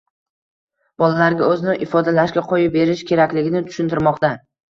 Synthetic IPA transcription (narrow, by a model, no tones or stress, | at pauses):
b̥ɒlalaɾɡʲaɵzɪnɪʔɪfɒd̪alaʃɡʲaqʰojɪp̚be̞ɾɪʃkʲʰe̞ɾakʲlɪɡʲɪnɪt̪ʰʊ̥ʃʊnt̪ʰɪɾmɒqt̪a